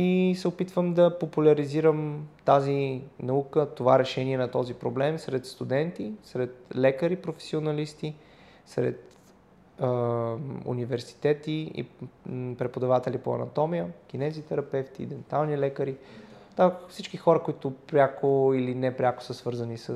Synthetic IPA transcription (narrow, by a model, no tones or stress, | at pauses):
isɛopit̪vəmd̪ɐpopulʲɐɾiziɾəmt̪azinɐukət̪ovaɾɛʃɛniɛnɐt̪ɔzipɾoblɛmsɾɛt̪st̪ud̪ɛnt̪isɾɛt̪̚lɛkəɾipɾofɛ̥sionɐlist̪i | sɾɛ̰t̪ | ṵnivɛɾsi̥t̪ɛt̪iḭpɾɛpod̪ɐvat̪ɛlipo̰ɐ̰nɐ̰t̪ɔmiək̟ʲinɛzit̪ɛɾɐpɛft̪id̪ɛnt̪alˠnilɛkəɾi | d̪afsit͡ʃkixɔɾəkoit̪ʊpɾʲjakoilinɛpɾʲako̥səsvɤɾzənisə